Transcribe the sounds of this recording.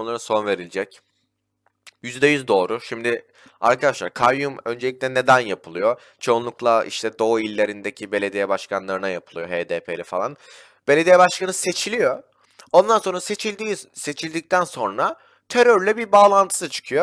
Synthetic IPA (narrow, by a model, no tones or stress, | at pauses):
lˠaɾɯso̞nve̞ɾilʲd͡ʒɛc | jyzd̪ɛjyzd̪o̞ːɾuʃimd̪ɪ | a̰ɾkʰad̪aʃlˠaɾkʰaɾjumø̞nd͡ʒelʲic̚ʲlʲɛne̞d̪ænjapʰɯlˠɯjo̞ | t͡ʃʰo̞unˠuklˠaḭʃt̪ʰɛd̪o̞ilʲːe̞ɾind̪e̞cʰibe̞lʲe̞d̪ijɛbaʃkʰanlˠaɾɯnajapʰɯlˠɯjo̞ɦeːd̪eːpʰelʲifalˠan | b̥e̞lʲe̞d̪ijɛbaʃkʰanɯse̞t͡ʃʰilʲijo̞ | o̞nd̪anso̞nɾaset͡ʃʰilʲd̪iːse̞t͡ʃʰilʲd̪ic̚t̪ʰænso̞nɾa | t̪ʰe̞ɾøɾlʲɛbiɾbaːlˠant̪ʰɯ̥sɯt͡ʃʰɯ̥kʰɯjo